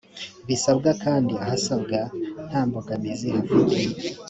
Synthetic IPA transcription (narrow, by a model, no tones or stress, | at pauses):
βisabɡakaːndiahasab̚ɡan̥haːmboɡanizehafutije